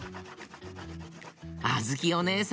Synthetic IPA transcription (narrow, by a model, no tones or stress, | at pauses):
azɨkʲiones